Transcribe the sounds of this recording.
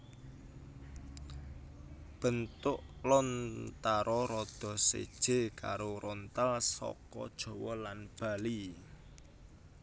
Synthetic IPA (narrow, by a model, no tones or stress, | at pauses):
b̥ə̤nt̪ʊʔlɔnt̪aɾɔɾɔd̪̥ɔ̤sḛd̥ʒ̥e̤ka̰ɾoɾɔnt̪alsɔ̰kɔ̰d̥ʒ̥ɔ̤wɔlanb̥a̤li